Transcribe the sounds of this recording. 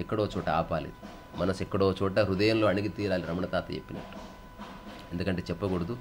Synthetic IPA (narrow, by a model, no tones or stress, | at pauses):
ɛkːɐɽoːt͡ʃɔːʈɐa̰ːpaːlḛːd̪u | mɐnɐsɛkːɐɽoːt͡ʃɔːʈɐɾud̪ɐjɐnloːɐɳiɡit̪iːɾaːliɾɐmɐɳɐt̪aːt̪ɐt͡ʃḛpːinɐ̰ʈːu̥ | end̪ukɐɳʈeːt͡ʃɛpːɐɡoɽud̪u